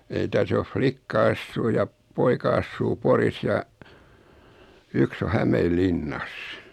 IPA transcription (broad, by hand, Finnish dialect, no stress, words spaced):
ei tæs of flikːɑ ɑsːuː jɑ poikɑ ɑsːuː poris jɑ yks o hæmeːlːinːɑs